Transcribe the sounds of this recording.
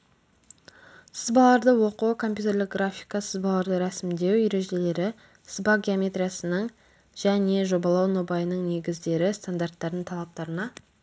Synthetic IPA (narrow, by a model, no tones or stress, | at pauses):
səzbɑlˠɑɾd̪əwo̞qukʰo̞mpʲjut̪e̞ɾlɪk̚ɡɾafʲijkɑsəzbɑlˠɑɾd̪əɾæsɪmd̪e̞wjʏɾe̞ʒe̞le̞ɾɪ̥ | zbaɡʲiomʲe̞t̪ɾʲijasənəɴ | ʒ̥æne̞ʒo̞bɑlˠɑwno̞bɑjənəɴne̞ɡʲɪzd̪e̞ɾɪst̪and̪art̪ːɑɾd̪əɴt̪ʰɑlˠɑp̚t̪ɑɾənɑ